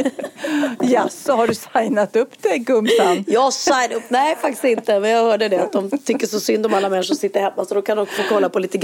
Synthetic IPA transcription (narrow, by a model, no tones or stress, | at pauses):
jasɔɦaɖɵsajnat̪ɵpːd̪̥ɛɡɵmsanjɑːsajnɵpːnɛjfakt̪ɪ̥st̪ɪnt̪əmɛnjɑːɡhœːɖəd̪ɛat̪̚d̪ɔmt̪ʰʏkːəʂɔsʏnd̪ɔmalːamɛnʂɔsɪt̪ːəɾhɛmːasɔd̪ɔkʰanɔfoːkʰɔlːapɔliːt̪əɡ